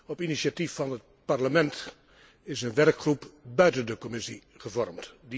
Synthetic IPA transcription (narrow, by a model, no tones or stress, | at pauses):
ɔpinisatifːɑnət̚parləmɛnt | ɪsənʋɛrkχrupbœɥtəndəkɔmɪsḭ | χəvɔɹmtdi